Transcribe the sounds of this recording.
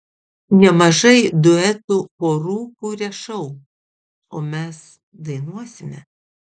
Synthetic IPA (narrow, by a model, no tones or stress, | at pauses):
nʲɛmɐʒɐɪd̪ʊɛt̪upoːɾuːkuːɾʲɛʃɐʊ | oːmʲɛs | d̪ɐɪnuɔsʲɪmʲɛ